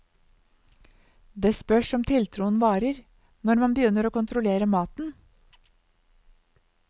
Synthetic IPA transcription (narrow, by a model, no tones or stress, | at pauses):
d̪eːspœʂɔmt̪ʰɪlt̪ʰɾuːənʋɑːɾəɾ | nɔɾmɑnbəjʏnːəɾoːkʊnt̪ʰɾʊleːɾəmɑːt̪n̩